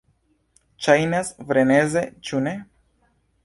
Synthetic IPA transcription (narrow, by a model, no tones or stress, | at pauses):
t͡ʃajnasvɾenezet͡ʃune